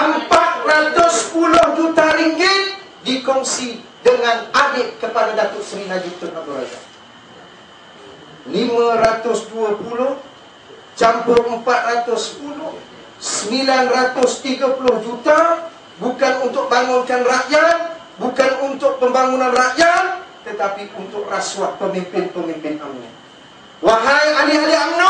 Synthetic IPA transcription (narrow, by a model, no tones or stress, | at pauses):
əmpat̪̚rat̪ʊsːpulʊhd͡ʒut̪aɾiŋɡɪt̪̚ | dikɔŋsi | dəŋanadɪʔ̚kəpadadat̪ʊʔsəɾinad͡ʒit̪ʊabuɾa̰za̰ | limãɾat̪ʊsduapulʊh | t͡ʃampʊrəmpat̪̚rat̪ʊspulʊh | səmilanrat̪ʊst̪iɡapulʊhd͡ʒut̪a | bukanunt̪ʊk̚baŋʊnkanraʔjat̪̚ | bukanunt̪ʊk̚pəmbaŋunãnraʔjat̪̚t̪ət̪apiunt̪ʊʔraswahpəmimpɪnpəmimpɪna̰ma̰ | waɦajalialiaʔmnɔ